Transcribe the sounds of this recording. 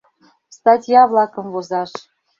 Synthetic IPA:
st̪ɑtʲjɑvlˠɑkɤ̆mvozɑʃ

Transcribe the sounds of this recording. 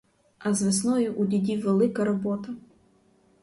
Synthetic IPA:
ɐzʋɪsnɔjʊʔʊdʲidʲiʋelˠɪkɐɾɔbɔt̪ɐ

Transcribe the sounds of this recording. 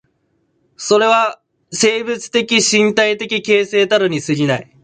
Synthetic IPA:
so̞ɾe̞β̞a | se̞ːbɯ̟t͡sɨ̥t̪e̞kʲiɕĩnt̪ait̪e̞kʲike̞ːse̞ːt̪aɾɯ̟ɲ̟isɨɾʲinai

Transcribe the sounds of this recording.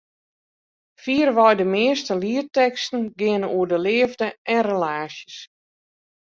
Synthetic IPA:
fiərʋɔjdəmɪːəstəliərtɛkstn̩ɡɪənuədəlɪəvdəʔɛnrelaːsjəs

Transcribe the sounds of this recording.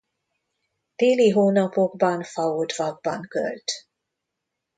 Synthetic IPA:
d̪̥eːliɦoːnɒpoɡbɒnfɒut̪vɒɡ̚bɒŋkø̰lt̪

